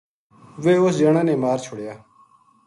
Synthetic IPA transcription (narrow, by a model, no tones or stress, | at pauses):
ʋeːosd͡ʒɐɳaːneːmaːɾt͡ʃʰʊɽjaː